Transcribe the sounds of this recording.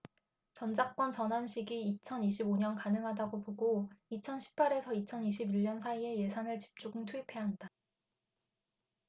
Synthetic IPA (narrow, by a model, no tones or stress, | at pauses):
t͡ɕʌnd͡ʑak̚k͈wʌnt͡ɕʌnɦanɕʰiɡiːt͡ɕʰʌniɕ̬ʰiboɲʌnkanɯŋɦadaɡopoɡoit͡ɕʰʌnɕʰi̥p͈ʰaɾe̞sʰʌit͡ɕʰʌniɕʰibiʎɲːʌnsʰaie̞je̞sʰanɯɭt͡ɕi̥p̚t͡ɕ͈uɡɯŋtʰuipʰe̞ɦanda